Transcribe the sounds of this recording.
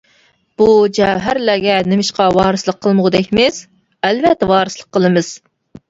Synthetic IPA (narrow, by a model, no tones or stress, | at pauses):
b̥ud͡ʒɛɦæɾlæɡʲɛnɪmɪʃqʰɑwɑːɾɨslˠəqʰːəlˠmʊʁd̪ɛkʲmɪs | ælvɛt̪ːɛwɑːɾɨslˠəqʰːəlˠɨmɨz̥